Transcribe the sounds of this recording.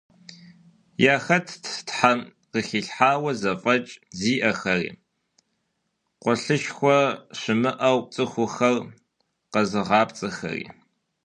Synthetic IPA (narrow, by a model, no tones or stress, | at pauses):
jaːxɐtʰtħan | qəxiːɬħaːwɐzɐfʼɐt͡ʃʼziːʔɐxɐrḭː | qʷɔɬɨʃxʷɔɕɨmɨʔɐw̚t͡sʼɨxʷʊxɐr | qɐzɨʁɑːpt͡sʼɨxɐ̰rḭː